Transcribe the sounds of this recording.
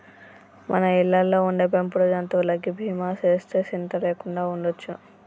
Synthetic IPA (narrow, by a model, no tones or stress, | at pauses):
mʔɐnɐilːɐlːoːuɳɖeːpempuɽod͡ʒɐnt̪oːlɐɡːibʱiːmaːt͡ʃe̞ːst̪e̞ːsint̪ɐleːkuɳɖaːuɳɖot͡ʃːu